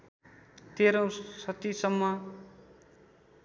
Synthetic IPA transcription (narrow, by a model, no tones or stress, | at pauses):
t̪eɾõw̃sʌt̪isʌmːʌ